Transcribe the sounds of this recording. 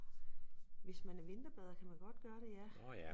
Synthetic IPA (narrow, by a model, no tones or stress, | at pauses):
ʋe̝smænæɐʋe̝nd̥ɐb̥ɛð̞̰ˠɐkʰæmænɡ̥ɒ̽d̥̚ɡ̥ɶːɐɾ̥e̝jæ